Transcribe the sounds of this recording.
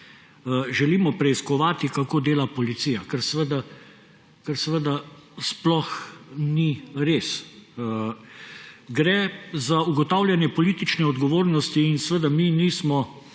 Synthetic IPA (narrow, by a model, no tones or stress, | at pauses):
ʒɛliːmɔpɾɛiskɔʋaːt̪ikakoːd̪eːlapɔlit̪siːjakəɾsʋəd̪a | kəɾsəʋəd̪asplɔxniɾeːs | ɡɾɛzauɡɔt̪aːwljɛnjɛpɔliːt̪it͡ʃnɛɔd̪ɡɔʋoːɾnɔst̪iːnsʋəd̪aminismɔ